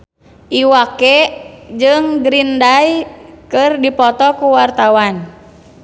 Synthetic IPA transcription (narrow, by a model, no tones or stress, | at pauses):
ʔiwakɛd͡ʒɨŋɡɾindajkɨrdipɔt̪ɔkuwart̪awan